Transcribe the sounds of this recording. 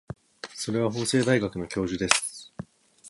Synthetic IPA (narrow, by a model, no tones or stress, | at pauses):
so̞ɾe̞β̞aɦo̞ːse̞ːd̪aiɡakɯ̟no̞kʲo̞ːʑɨd̪e̞sɨ̥